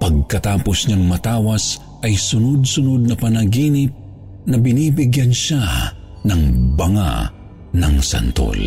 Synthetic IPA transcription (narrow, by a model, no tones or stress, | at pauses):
pɐɡ̚kɐt̪aːposɲaŋmɐt̪aːwɐs | ʔɐjsʊnod̪̚sʊnod̪̚nɐpɐnɐɡiːnɪp̚ | nɐbɪniːbɪɡjanʃa | nɐŋbɐŋa̰ | nɐŋsɐ̰nt̪o̰l